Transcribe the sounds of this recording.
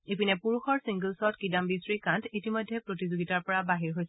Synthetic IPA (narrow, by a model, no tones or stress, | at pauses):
epinɛpuɹuxɔɹsĩŋɡəlsɔɔtkidambisɹikãntʰitimojdʱːɛpɹotizoɡitaɹpɔɹabaɦiɹɦojsɛ